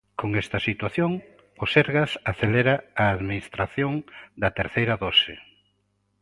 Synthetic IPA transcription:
koŋɛst̪ɐsit̪waθjoŋ | ʊseɾɣasaθeleɾaaːðminist̪ɾaθjoŋd̪ɐt̪eɾθejɾɐðosɪ

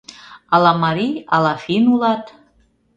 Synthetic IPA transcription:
ɑlɑmɑɾiɑlɑfinulɑt̪

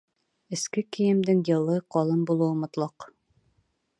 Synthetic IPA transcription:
ɘ̆skɘkijɘ̆md̪ɘŋjɤ̆lˠɤqɒlˠɤmbulˠɤ̆wɤmŏt̪lˠɑq

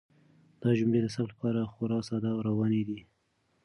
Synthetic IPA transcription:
d̪̥ɑʒʊmled̪əsaplapɑɾaxʊɾɑsɑd̪awɾawɑned̪i

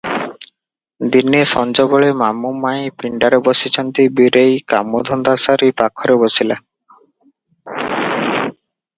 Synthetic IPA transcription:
d̪inːisɔnd͡ʒɔbɔɭemamːumːajpiɳɖaɾebosit͡ɕʰɔnt̪ibiɾejka̰mːod̪ʱɔnd̪asaɾipakʰːɔɾebosila

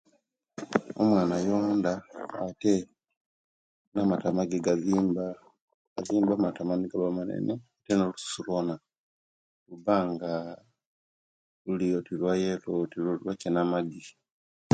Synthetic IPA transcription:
o̰mwaːnajoːndaːte | namatamaɡiɡaziːmba | aziːmbamatamaniɡaβamanḛneatenolusu̥sulwona | lubaŋɡa | lulijotilwajelotilwacenamaɡi

